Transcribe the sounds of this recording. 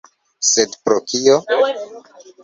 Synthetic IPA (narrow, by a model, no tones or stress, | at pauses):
sedpɾokio